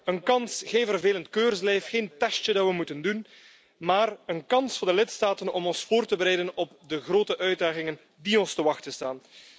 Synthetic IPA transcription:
ənkɑnsxeːnvərveːləntkøːrzlɛjfxeːntɛstədɑtʋəmutəndun | maːrənkɑnsfʊːrdəlɪtstaːtənɔmɔnsfoːrtəbəɾɛjdənɔb̚dəɣroːtəʔœɥt̚daːɣɪŋən | diɔnstəʋɑxtəstaːn

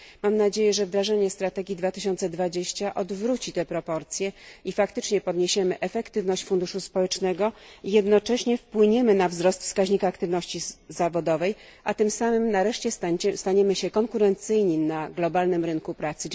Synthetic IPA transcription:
mamnad͡ʑejɛʐɛvd̪ɾaʐaɲɛst̪ɾat̪ɛɡʲid̪vat̪ɘɕɔnt̪sɛd̪vad͡ʑeɕt͡ɕaʔɔd̪vɾut͡ɕit̪ɛpɾɔpɔɾt̪sʲjɛifakt̪ɘt͡ʂɲɛpɔd̪ɲeɕɛmɘʔɛfɛkt̪ɘvnɔɕt͡ɕfund̪uʂuspɔwɛt͡ʂnɛɡɔijɛd̪nɔt͡ʂɛɕɲɛfpwɘɲɛmɘnavzɾɔst̪fskaʑɲikaːkt̪ɘvnɔɕt͡ɕizavɔd̪ɔvɛj | ʔat̪ɘmsamɘmnaɾɛʂt͡ɕɛst̪st̪aɲɛmɘɕɛkɔŋkuɾɛnt̪sɘjɲinaɡlɔbalnɘmɾɘnkupɾat̪sɘ

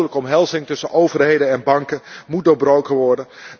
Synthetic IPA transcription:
ələkəɔmɦɛlˠzɪŋtɵsənʔowvərɦejdənɛnbɑŋkənmut̚doːɹbrowkənʋɔɹdən

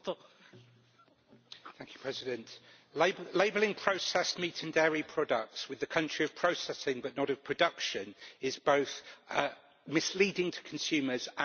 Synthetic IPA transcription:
θæ̃ŋkʰjə̥pʰɹ̥ɛzɪdə̃nʔ | leɪbəlɪ̃ŋpʰɹ̥əʊsɛsmiˑtʰə̃ndɛːɹipʰɹ̥ɒdək̚tswɪðəkʰʌ̃nt͡ʃɹ̥iəv̥pʰɹ̥əʊsɛsɪ̃ŋbəʔnəɾəv̥pʰɹ̥ədʌkʃə̃nɪzbəʊθ | mɪsliːdɪ̃ŋtʰə̥kʰə̃nsʉːməzə̃

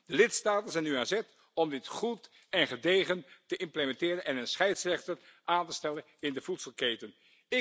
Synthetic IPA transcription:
d̥əlɪtstaːtənzɛjnyanzɛt | ɔmdɪtχut | ɛnχədejχəntəʔɪmpləmɛntɪːɾənɛnənsχɛjtsrɛχtərʔaːntəstɛlənɪndəvutsəlˠkejtən | ɪ

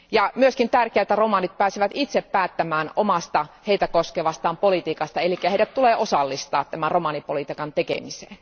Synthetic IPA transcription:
jɑmyøskint̪ærkeæt̪ːæromɑnit̪̚pæːsiʋæt̪it̪seppæːt̪ːæmæːnomɑst̪ɑheit̪ækoskeʋɑst̪ɑːmpolit̪iːkɑst̪ɑelikːæheiɾæt̪t̪uleːʔosɑlːist̪ɑ̰ːt̪t̪ːæmænromɑnipolit̪ikɑnt̪ekḛmisḛːn

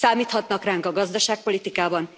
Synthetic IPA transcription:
saːmiːt̪hɒt̪nɒkraːŋkɒɡɒzd̪ɒʃaːk̚po̞lit̪ikaːbɒn

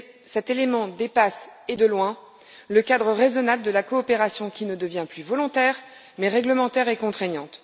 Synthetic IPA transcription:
sɛt̪elemɑ̃d̪epased̪əlwɛ̃ | ləkad̪ʁəʁezɔnabləd̪əlakɔːpeʁasjɔ̃kʲinəd̪əvjɛ̃plyvɔlɔ̃t̪ɛʁ | mɛʁɛɡləmɑ̃t̪ɛʁekɔ̃t̪χɛɲɑ̃t̪

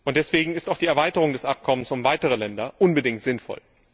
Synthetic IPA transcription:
ʔʊnt̚d̥ɛsv̥eːɡŋ̩ɪstaʊxd̥iːɛɐvaɪtəʁʊŋdɛsʔap̚kʰɔmənsʊmvaɪtəʁ̞əlɛndɐʔʊnbədɪŋtz̥ɪnfɔ̰l

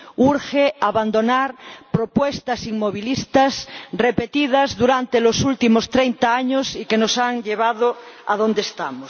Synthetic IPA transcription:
uɾxeaβand̪onaɾpɾopwest̪asiŋmoβ̞ilist̪asrepet̪ið̞azðuɾant̪elosult̪imost̪ɾejnt̪aaɲosikenosaŋʎeβ̞aðoaðond̪est̪amos

